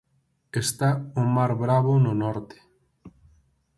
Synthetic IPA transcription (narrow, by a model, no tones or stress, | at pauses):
est̪aʊmaɾβɾaβʊnʊnɔɾt̪e̥